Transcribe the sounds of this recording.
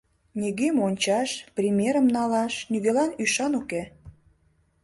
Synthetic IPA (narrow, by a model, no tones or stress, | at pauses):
nʲiɣemonʲt͡ɕɑʃprʲimʲeɾəmnɑlɑʃnyɣelɑnyʃɑnuke